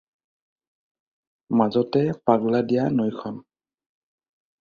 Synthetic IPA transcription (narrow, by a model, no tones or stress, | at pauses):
mazɔtɛpaɡladijanojkʰɔn